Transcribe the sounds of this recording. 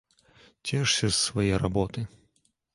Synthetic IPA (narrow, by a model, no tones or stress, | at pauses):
t͡sʲɛʂsʲɐsːvajɛjɾabɔt̪ɨ